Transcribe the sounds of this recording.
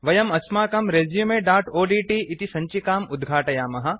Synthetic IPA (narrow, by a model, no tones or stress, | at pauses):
ʋɐjɐmɐsmaːkɐmɾezjumeːɖaːɾʈoːɖiːʈiːʔit̪isɐɲt͡ʃikaːmud̪ɡʱaːʈɐjaːmɐɦɐ̆